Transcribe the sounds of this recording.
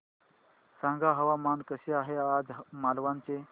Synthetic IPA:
sãŋɡaɦəʋamankəɕeaɦead͡zmalʋãnt͡se

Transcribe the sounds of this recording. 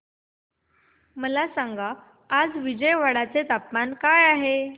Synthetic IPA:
məlasãŋɡaː | d͡zʋid͡ʑəjʋaɽat͡set̪apmankajaɦe

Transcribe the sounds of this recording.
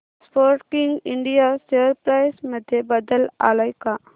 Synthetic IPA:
spoːɾʈkɪŋɡɪɳɖijasəɾpɾaːjsməd̪ʱjebɐd̪əla̰ːlajkaː

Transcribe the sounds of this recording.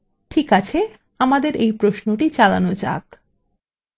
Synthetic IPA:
ʈʰikat͡ɕʰe | amad̪eɾʔejpɾoʃnoʈit͡ɕalanod͡ʑa̰k

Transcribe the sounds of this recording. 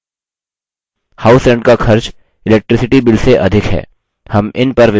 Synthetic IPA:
haːʊsɛ̃ɳɖkaxʰɐɾt͡ʃ | ɪlɛːk̚ʈɾɪsɪʈibɪlseʔɐd̪ʱɪkɦɛ̰ː | hɐmɪnpɐɾʋɪ

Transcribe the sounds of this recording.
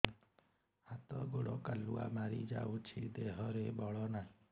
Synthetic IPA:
hat̪ɔɡoɭɔkalua̰maɾḭd͡ʒa̰ut͡ʃʰid̪eɦɔɾebɔɭɔnaɦĩ

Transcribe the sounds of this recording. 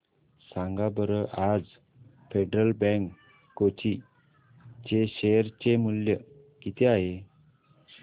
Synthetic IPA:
sãŋɡabəɾəʔad͡z | feɖɾəlbɛ̃ŋkː | ot͡ɕi | t͡ɕeɕeɾt͡ɕemuljə | kit̪eaɦe

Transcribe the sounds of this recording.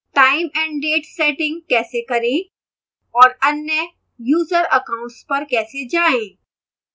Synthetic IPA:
ʈaːimɛ̃ɳɖeːʈseʈɪ̃ŋɡ̚kɛːsekəɾẽ | ɔːɾənːjə | juːzəɾəkaʊ̃ɳʈspəɾkɛːsed͡ʒaẽ

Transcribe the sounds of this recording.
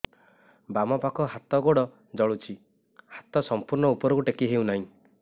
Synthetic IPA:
bamɔpakɔɦat̪ɔɡoɽɔ | d͡ʒɔɭut͡ʃʰi | hat̪ɔsɔmpuɾnɔupɔɾɔkuʈekiɦewnaɦĩ

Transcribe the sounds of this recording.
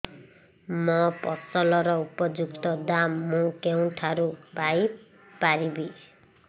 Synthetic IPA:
mʌpɔsʌlɔɾʌupɔd͡zukt̪ʌd̪amːũkew̃ʈʰaɾubaj | paɾibi

